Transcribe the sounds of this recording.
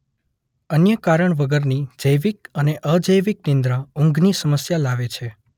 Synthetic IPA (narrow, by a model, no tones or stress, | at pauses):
ənjəkaɾəɳʋəɡəɾnid͡ʒəjʋikəneʔəd͡ʒəjʋiknɪ̃nd̪ɾãũŋɡʱnisəməsjalaʋet͡ʃʰe